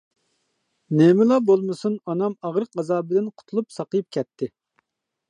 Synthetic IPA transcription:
nɛmɪlˠɑbolˠmɨsunɑnɑmɑʁɾəqɑzɑːbɪd̪ɪnqʰʊ̥t̪ʰulˠupsɑqəjup̚kʲɛt̪ʰːɪ

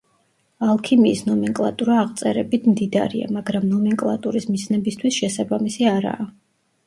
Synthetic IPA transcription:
alˠkʰimiːsnɔmɛŋkʼlˠa̰t̪ʼuɾaːʁt̪sʼɛɾɛbit̪ʰmd̪id̪a̰ɾḭa̰maɡɾamnɔmɛŋkʼlˠa̰t̪ʼuɾismisnɛbist̪ʰwisʃɛsabamisiaɾa̰ː

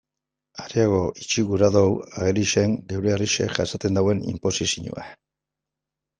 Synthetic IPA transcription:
aɾiaɣo̞ʔit͡ʃiɣuɾaðowaɣeliʃe̞ŋɡewɾeariʃe̞̰ʝasat̪e̞nd̪awe̞nḭmpo̞sisiɲṵa̰

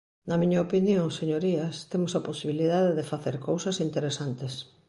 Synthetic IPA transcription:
nɐmĩɲɐopinjoŋseɲoɾiɐst̪emʊsɐposiβiliðaðeðɪfaθeɾkowsɐsint̪eɾesant̪es

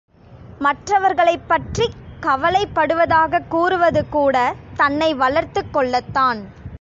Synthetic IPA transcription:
mɐʈrɐʋɐɾɣɐɭɐɪpːɐʈrikɐʋɐlɐɪpːɐɽɯʋɐðaːɣɐkːuːɾɯʋɐðɯkuːɽɐt̪ɐnːɐɪʋɐɭɐɾt̪ɯkːɔɭːɐt̪ːaːn

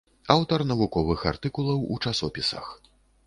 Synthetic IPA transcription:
awt̪ɐrnɐvukɔvɨxa̰rt̪ɨkulˠɐwṵt͡ʂasɔpʲisɐ̰x

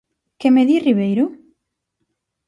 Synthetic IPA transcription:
kemeðiriβejɾʊ

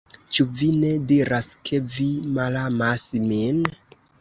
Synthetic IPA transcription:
t͡ʃuvine̞diɾaskʰe̞vimalamasmin

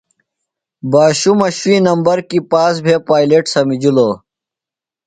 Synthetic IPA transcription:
baːɕumɐɕwiːnɐmbɐɾkipaːs̬bʱepaːileʈsɐmid͡ʑuloː

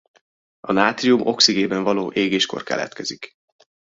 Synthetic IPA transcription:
ɒnaːt̪riumʔo̞ksiɡeːbɛɱvɒloːʔeːɡeːʃko̞̰rkɛ̰lɛ̰t̪kɛzik

